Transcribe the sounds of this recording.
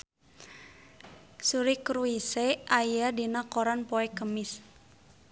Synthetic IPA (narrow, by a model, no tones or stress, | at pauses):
suɾikɾuiseʔajadinakoɾanpoɛkəmɪs